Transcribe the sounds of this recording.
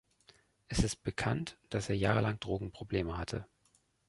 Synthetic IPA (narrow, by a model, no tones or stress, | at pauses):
ʔɛsɪst̚b̥əkʰantd̥aseːɐjaːʁəlaŋd̥ʁoːɡŋ̩pʁ̥obleːməhatʰə̰